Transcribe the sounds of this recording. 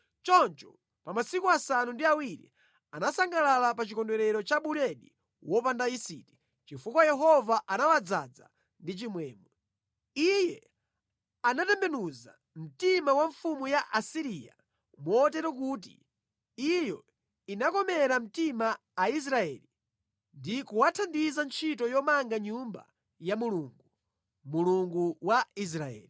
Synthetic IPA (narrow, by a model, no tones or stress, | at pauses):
t͡ʃɔnt͡ʃɔ | pamasikuasanundiawiɾḭ | anasaŋɡalalapat͡ʃikɔndwɛɾɛɾɔt͡ʃaɓuɾɛɗi | wɔpandaisḭti̥ | t͡ʃifukwajɛɦɔvaʔanawad͡za̰d͡za̰ | ndit͡ʃimwɛːmɔ | ijɛ | anatɛmbɛnuza̰ | m̩timawaɱfumujaʔasiɾiːja̰ | mwɔːt̬ɛɾɔkuːt̬ḭ | ijɔ | inakɔmɛɾam̩timaː | is̬ɾaɛːli | ndikuwatʰandizant͡ʃʰitɔjɔmaŋɡaɲumba̰ | jamuluːŋɡu | muluŋɡuwais̬ɾaɛ̰ːli